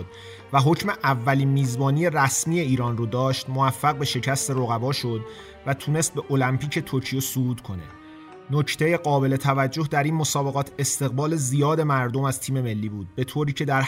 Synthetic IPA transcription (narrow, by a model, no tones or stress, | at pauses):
d̪̚ | væɦocʰme̞ʔævːæliːnmiːzbɒːniːje̞ræsmiːje̞iːɾɒːnrod̪ɒːʃt̪movæfːæɣbe̞ʃe̞cʰæst̪e̞ɾo̞ɣæbɒːʃo̞d̪ | væt̪ʰuːne̞st̪̚be̞ʔolæmpiːcʰe̞t̪ʰoɾcʰijesuɡuːt̪kʰo̞ne̞̰ | nocʰt̪ʰe̞je̞ɢɒːbe̞le̞t̪ʰævæd͡ʒːo̞hd̪æɾiːnmo̞sɒːbe̞ɣɒːt̪ʰe̞st̪e̞ɣbɒːle̞zijɒːd̪e̞mæɾd̪o̞mæz̥t̪ʰiːme̞me̞lːiːbuːd̪̚be̞t̪ʰoːɾiːcʰe̞d̪æɾ